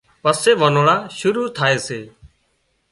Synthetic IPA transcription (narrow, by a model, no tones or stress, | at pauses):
pəseːʋənoːɭaːʃʊɾuːt̪ʰaːeːseː